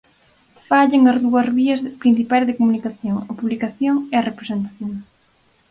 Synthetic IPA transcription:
faʎeŋɐzðuɐzβiɐzpɾin̟θipajzðekomunikaθjoŋɐpuβlikaθjoŋeɐrepɾesent̪ḁθjoŋ

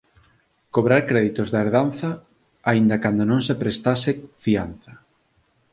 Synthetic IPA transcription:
koβɾaɾkɾɛðit̪ozðaeɾðan̟θɐ | aind̪akand̪onõŋsepɾest̪asefianθɐ

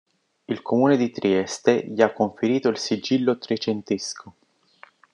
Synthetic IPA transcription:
ilkʰomuːned̪it̪ɾiɛst̪eʎiakːoɱfeɾiːt̪oilsid͡ʒilːot̪ɾet͡ʃent̪eskʰo

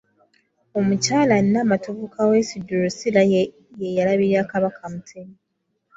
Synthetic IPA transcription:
o̞mucaːlaninamatuβukʰawesiduɾusila | jejalaβiɾiaːkaβakʰamutʰeni

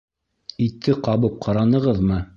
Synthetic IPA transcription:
it̪ʰːɘqɑβɤp̚qʰɑɾɑnɤ̆ʁɤðmɤ

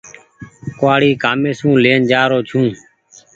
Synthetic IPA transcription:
koaːɽiːkaːmeːsũːleːnd͡ʒaːɾoːt͡ʃʰũː

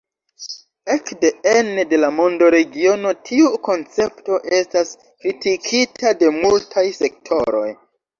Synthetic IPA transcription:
ekde̞enede̞lamo̞ndo̞ɾe̞ɡio̞no̞tʰiuko̞nt͡se̞pto̞ʔe̞stas | kɾitikʰitade̞multʰajse̞k̚tʰo̞̰ɾo̞̰j

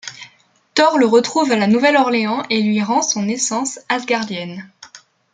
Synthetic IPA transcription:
t̪ɔʁləʁət̪χuvalanuvɛlɔʁleɑ̃ʔelɥiʁɑ̃sɔ̃nesɑ̃sazɡaʁd̪jɛn

